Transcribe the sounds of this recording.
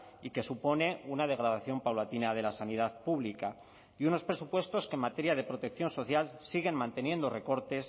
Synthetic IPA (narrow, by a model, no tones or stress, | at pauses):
ike̞supo̞ne̞unað̞e̞ɣ̞ɾað̞aθjo̞mpawlat̪inað̞e̞lasanið̞aðpuβlika | iuno̞spɾe̞supwe̞st̪o̞skenmat̪e̞ɾjaðe̞pɾo̞t̪e̞k̚θjo̞nso̞θjalsiɣe̞nmãnt̪e̞njẽ̞nd̪o̞re̞ko̞ɾt̪e̞s